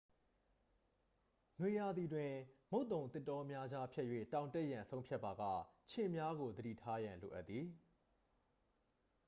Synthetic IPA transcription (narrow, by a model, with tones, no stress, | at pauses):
nwe˨ja˨d̪i˨dwɪ̃˨mo˦ʊt̪õ˨ʊ̃t̪ɪ˦tːɔ˦mja˦d͡ʑa˦pʰjɛ˦ʔjwḛ˦˨tã˨ʊ̃nte˦ʔjã˨nsʰõ˦ʊ̃pʰja˦ʔpːa˨ɡa̰˦˨t͡ɕʰɪ̃˨mja˦ɣo˨d̪əɾḭ˦˨tʰa˦jã˨nlo̰˨ʔa˦t̪t̪ːði˨